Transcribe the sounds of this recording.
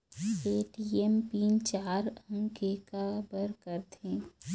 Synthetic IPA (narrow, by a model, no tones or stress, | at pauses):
eːʈiɛmpiːnt͡ʃaːɾə̃ŋkeːkabəɾkəɾt̪ʰẽː